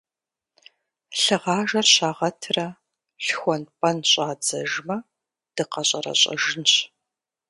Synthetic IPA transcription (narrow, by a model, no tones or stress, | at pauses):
ɬɨʁɑːʒɐrɕaːʁɐtʰrɐ | ɬxʷɔnpʼɐnɕʼaːd͡zɐʒmɐ | d̥ɨqɐɕʼɐrɐ̰ɕʼɐ̰ʒɪnɕ